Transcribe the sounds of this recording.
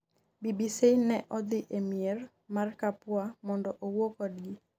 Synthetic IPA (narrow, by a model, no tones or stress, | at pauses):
bibisinɛʔɔd̪ɪʔemier | markapwamɔndɔʔowokɔdɡɪ